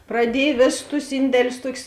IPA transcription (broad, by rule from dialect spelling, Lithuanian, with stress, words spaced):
prɐˈdʲiɛj ˈʋʲeːsʊs tʊs ˈɪnʲdʲɛlʲʊs ˈtuɔkʲʊs